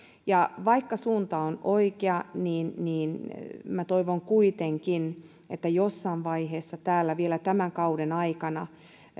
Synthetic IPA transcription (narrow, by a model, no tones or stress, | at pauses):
jɑʋɑikːɑsuːnt̪ɑonoikeɑniːnniːnmæt̪oiʋoŋkuit̪eŋkin | et̪ːæjosːɑːnʋɑiheːsːɑt̪æːlːæʋielæt̪æmæŋkɑudenɑikɑnɑ